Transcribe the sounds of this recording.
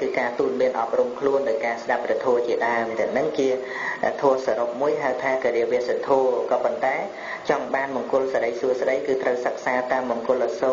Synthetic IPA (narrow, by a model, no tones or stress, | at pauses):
kɨːkaːt̪uːl̚miənʔɑp̚rumkʰluənɗaɔjkaːsɗap̚rɛt̪ʰoət͡ɕiəɗaəmt̪ɛ̆əŋnɨŋkiə | t̪ʰɔːəsaɾop̚muəjɦaəwt̪ʰaːkiəɾiəʋiəsat̪ʰoːkɑːpont̪aɛ | t͡ɕɑŋɓaːnɓɑŋkʊ̆lsaɾəjsuəsɗəjkɨːt̪rəwsək̚saːt̪aːmɓɑŋkʊ̆əlʔəso